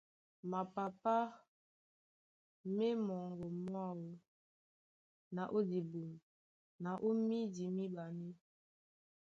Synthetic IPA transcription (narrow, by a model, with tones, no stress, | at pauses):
ma˨pa˨pa˦ | me˦mɔ˨ŋɡo˨mwa˦wo˦ | na˨ʔo˦di˨bu˨n˨ | na˨ʔo˦mi˦di˨mi˦ba˨ni˦